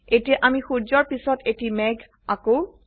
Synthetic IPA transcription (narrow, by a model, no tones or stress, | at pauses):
etiɛʔamixuɹzɔɹpisɔtetimɛɡʱ | ako